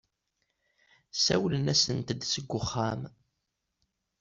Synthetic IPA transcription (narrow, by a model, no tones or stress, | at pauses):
sæwlənæsənt̪d̪səɡʷːʊχːam